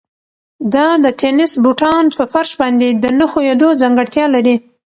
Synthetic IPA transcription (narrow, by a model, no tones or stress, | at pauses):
d̪ɑd̪ət̪ʰenɪsbuʈɑnpəfaɾʃbɑnd̪ed̪ənəxojed̪od͡zaŋɡəɽt̪jɑlaɾi